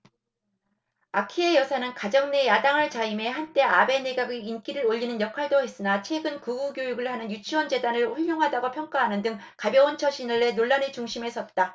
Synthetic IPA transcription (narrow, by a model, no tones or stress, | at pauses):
akʰiejʌsʰanɯnkad͡ʑʌŋne̞jadaŋɯɭt͡ɕaime̞ɦant͈e̞abe̞neɡaɡiink͈iɾɯɾoʎːinɯnjʌkʰwaɭdoɦe̞s͈ɯnat͡ɕʰwe̞ɡɯnkuɡuɡjojuɡɯɭhanɯnjut͡ɕʰiwʌnd͡ʑe̞danɯɭɸuʎːoŋɦadaɡopʰjʌŋk͈aɦanɯndɯŋ | kabjʌwont͡ɕʰʌɕʰinɯɭːe̞noɭːanɯt͡ɕuŋɕʰimɦe̞s͈ʰʌt̚t͈a